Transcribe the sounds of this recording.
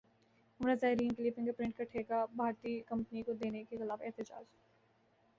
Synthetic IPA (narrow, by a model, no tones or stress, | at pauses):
ʊɾazaːɦɪɾiːnklipɪ̃ŋkepɾɪ̃ɳʈkɐʈʰeːkabʱaːɾt̪iːkɐ̃mpənikod̪eːnekexɪlaːbɛɦt̪ɪd͡ʒa̰ːd͡ʒ